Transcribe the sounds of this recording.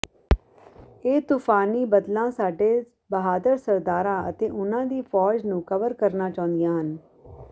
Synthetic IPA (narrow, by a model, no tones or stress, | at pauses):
eːt̪uːpʰaːniːbəd̪lãːsaːɖeː | bəɦaːd̪əɾsəɾd̪aːɾãːʔə̰t̪eːʔʊnãːd̪iːpʰɔːd͡ʒnũːkəʋəɾkəɾnaːt͡ʃãːʊ̃nd̪ɪjãːɦən